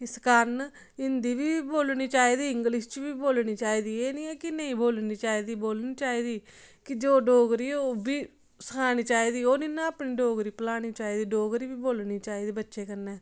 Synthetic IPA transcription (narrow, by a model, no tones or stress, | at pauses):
ɪskəɾn | ɪnd̪iːʋiːboːlniːt͡ʃaːiːd̪iːɪŋɡlɪst͡ʃʋiːboːlniːt͡ʃaːiːd̪iːeːnĩɛːkɪnə̃ĩːboːlniːt͡ʃaːiːd̪iːboːlniːt͡ʃaːiːd̪iːkɪd͡ʒoːɖoːɡɾiːoːbiː | səkʰaːniːt͡ʃaːiːd̪iːoːnĩːnãːəpniːɖoːɡɾiːpəlaːɽ̃iːt͡ʃaːiːd̪iːɖoːɡɾiːʋiːboːlniːt͡ʃaːiːd̪iːbətːʃeːkəɾnɛː